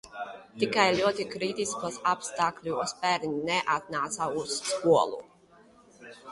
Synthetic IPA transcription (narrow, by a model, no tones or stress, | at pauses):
t̪ikajlʲuɔt̪ikɾit̪iskasapst̪aːklʲuɔspɛɾnʲnɛʔat̪̚naːt̪sausːkuɔlˠṵ